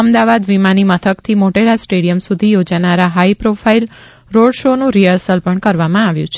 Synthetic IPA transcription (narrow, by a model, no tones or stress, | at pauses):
əmd̪aʋad̪ʋimanimət̪ʰəkt̪ʰimoʈelasʈeɽijəmsud̪ʱijod͡ʒanaɾaɦaipɾofʰail | ɾoɖʃonũɾijəɾsəlpəɳkəɾʋamãaʋjũt͡ʃʰe